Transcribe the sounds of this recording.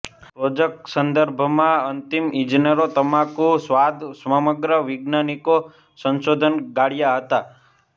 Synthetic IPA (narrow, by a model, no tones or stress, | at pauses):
ɾod͡ʒəksənd̪əɾbʱmãənt̪imĩd͡ʒinəɾot̪əmãkusʋad̪ʱsʋəməɡɾəʋɪɡnaniko | sə̃nʃod̪ʱənɡaɽjaɦət̪a